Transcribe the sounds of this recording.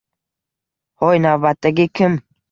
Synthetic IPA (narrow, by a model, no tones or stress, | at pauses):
hɔjnavbat̪ːaɡʲɪkʲʰɪm